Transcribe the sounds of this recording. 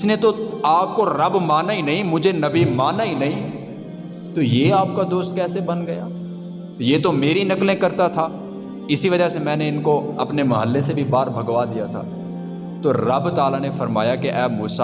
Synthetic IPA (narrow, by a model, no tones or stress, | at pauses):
ɪsnet̪oaːp̚koɾɐbmaːnaɦinɐɦĩmʊd͡ʒʱenɐbimaːnaɦinɐɦĩ | t̪ojeaːp̚kad̪oːst̪̚kɛːsebɐnɡɐja̰ː | jeːt̪omeːɾinɐklẽkɐɾt̪at̪ʰaː | ɪsiʋɐd͡ʒasemɛ̃ːneɪnkoɐpnemɐɦəlːesebʱibaːɾbʱɐɡʋad̪ijat̪ʰa̰ː | t̪oɾɐbt̪aːlanefɐɾma̰ːjakeʔɛːmuːsa